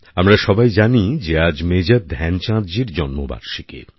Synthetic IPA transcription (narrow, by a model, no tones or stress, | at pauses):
amɾaʃɔbajd͡ʑanid͡ʑead͡ʑmed͡ʑad̪̚d̪ʱɛnt͡ɕãd̪d͡ʑiɾd͡ʑɔnmoba̰ɾʃikḛ